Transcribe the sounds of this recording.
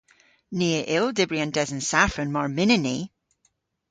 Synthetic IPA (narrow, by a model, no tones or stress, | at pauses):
niəʔɪlˠdɪbɹiə̃ndɛzənsafənmɔɹmɪnɪni